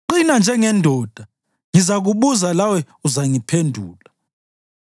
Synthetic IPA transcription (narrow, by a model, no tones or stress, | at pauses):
ǃinand͡ʒʱɛŋɛndʱɔːd̥ʱa | ŋizak̬uɓuzalawɛ | uzaŋipʰendʱuːla